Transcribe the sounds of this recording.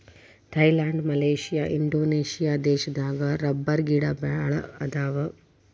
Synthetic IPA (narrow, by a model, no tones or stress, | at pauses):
t̪ʰɐjlaːɳɖmɐleːʂijaːʔiɳɖoːneːʃijaːd̪eːʃɐd̪aːɡɐɾɐbːɐɾɡiːɽabaɭɐɐd̪aːʋɐ